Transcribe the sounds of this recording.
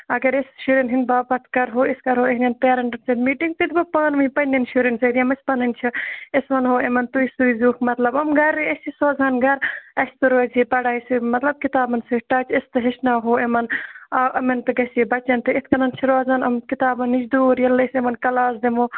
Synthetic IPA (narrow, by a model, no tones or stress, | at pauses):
ɐɡɐɾesʃuɾinɦinbaːpɐt̪ʰkɐɾɦoːiskɐɾɦoːeɦnʲɐnpeːɾɐɳʈɐnsɐd̪miːʈiŋɡ̚t̪it̪ʰbɐpaːnʋɐipɐnʲːɐnʃuɾɐnsɐd̪iɐmɐsʲpɐnɐnt͡ʃʰiesʋɐnɦoːemɐnt̪uisujzuːkmɐt̪lɐbɐmɡɐɾiɐsʲt͡ʃʰisoːzanɡɐɾɐsʲt̪ɨɾoːzipɐɽaːjsumɐt̪lɐb̚kit̪aːbɐnsɐʈɐːt͡ʃɐst̪ɨɦiʃnaːɦoːemɐnɐʔɐmɐnt̪ɨɡɐsibɐt͡ʃɐnt̪ɨit̪ʰkɐnɐnt͡ʃʰiɾoːzɐnɐmkit̪aːbɐnːid͡ʒd̪uːɾjɐlːɐsemɐnkɐlaːsd̪emoː